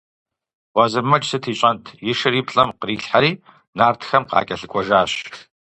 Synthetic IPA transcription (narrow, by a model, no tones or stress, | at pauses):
wɐzɨmɐt͡ʃʼsɨtʰiːɕʼɐntʰjɪʂɨriːpɬʼɐmqəriːɬħaɾiː | naːrtʰxɐmqɑ̰ːkʲʼɐɬɨkʷʼɔʒaːɕ